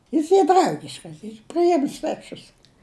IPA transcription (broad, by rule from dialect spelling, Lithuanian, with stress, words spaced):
ˈjɪs ˈiː ˈdrɐʊɡʲɪʃkɐs iːr pʲrʲɪˈjɪm sʲʋʲɛˈt͡ʃʲʊs